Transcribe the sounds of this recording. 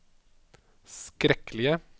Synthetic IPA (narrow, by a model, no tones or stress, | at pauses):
skɾɛklɪə